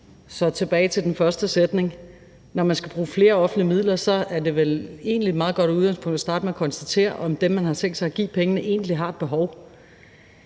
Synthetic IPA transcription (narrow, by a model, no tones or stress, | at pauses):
sɒ̽t͡sʰe̝b̥ɛːɪt͡sʰe̝ld̥enfɶɐsd̥əsed̥ne̝ŋ | nɒmænsɡ̥æb̥ʁuːfle̝ːɐɒ̽fn̩dliəmið̰ˠlɐsɒ̽æɐde̝ʋele̝̰ːnlimɑ̈ːð̩ˠɡɒ̽ɾ̥uð̞ˠɡɑŋspʰɔ̽ŋd̥æsd̥ɑ̈ːd̥əmeækʰɒ̽nsd̥æt͡sʰe̝̰ːɐ̰ʔɒ̽md̥emmænɦɑ̈t͡sʰeŋ̰d̥sɑ̈ɪæɡ̥ḭːpʰeŋənəʔe̝ːn̥liɦɑ̈ed̥̚b̥e̝ɦɒʊ